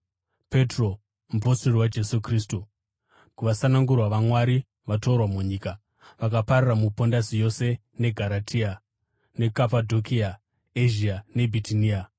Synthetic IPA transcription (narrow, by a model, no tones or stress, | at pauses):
pe̞tro | muposiriwad͡ʒe̞sukriːstu | kuʋasanaŋɡurwaʋamwaɾi | ʋato̞rwamuɲiːka | ʋakapariramupo̞ndasijo̞se̞ | ne̞ɡʱaɾatʰia | nekapadʱo̞kia | eʒiane̞bʱitiniːa